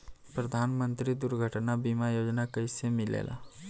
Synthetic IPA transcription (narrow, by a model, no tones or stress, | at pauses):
pɾəd̪ʱanmənt̪ɾid̪uɾɡʱəʈnabimajod͡ʒnakəjsemɪlḛlʔa̰